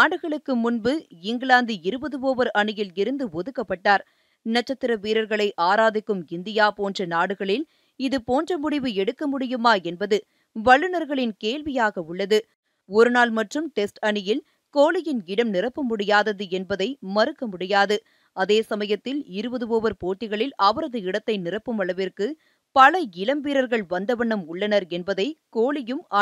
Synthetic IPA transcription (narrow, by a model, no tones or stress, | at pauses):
naːɽɯɣɐɭɯkːɯmʊnbɯɪŋɡɭaːnd̪ɯɪɾɯbɐðɯʋoːʋɐɾɐɳɪjɪlɪɾɯnd̪ɯɔðɯkːɐpːɐʈːaːɾ | nɐt͡ʃːɐt̪ːɪɾɐʋiːɾɐɾɣɐɭɐɪʔaːɾaːðɪkːɯmɪnd̪ɪjaːpoːndrɐnaːɽɯɣɐɭɪl | ɪðɯpoːndrɐmʊɽɪʋɯɛɽɯkːɐmʊɽɪjɯmaːɛnbɐðɯ | ʋɐɭːɯnɐɾɣɐɭɪnkeːlʋɪjaːɣɐʊɭːɐðɯ | ɔɾɯnaːlmɐʈrɯmʈɛsʈɐɳɪjɪl | koːɭɪjɪnɪɽɐmnɪrɐpːɐmʊɽɪjaːðɐðɯɛnbɐðɐɪmɐɾɯkːɐmʊɽɪjaːðɯ | ɐðeːsɐmɐjɐt̪ːɪlɪɾɯbɐðɯʋoːʋɐɾpoːʈːɪɣɐɭɪlɐʋɐɾɐðɯɪɽɐt̪ːɐɪnɪrɐpːɯmɐɭɐʋɪrkɯ | pɐlɐɪlɐmbiːɾɐɾɣɐɭʋɐnd̪ɐʋɐɳːɐmʊɭːɐnɐɾɛnbɐðɐɪkoːɭɪjɯmaː